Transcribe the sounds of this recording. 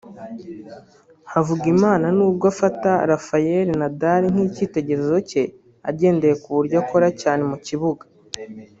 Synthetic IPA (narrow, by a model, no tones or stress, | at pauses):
havuɡimaːnanuːbɡafataɾafaje̞ɾinadaɾiŋ̥hiːciːte̞ɟe̞ɾezo̞ce̞ | a̰ɟe̞ːnde̞je̞kuβuɾɟako̞ɾacaːne̞muciβuɡḁ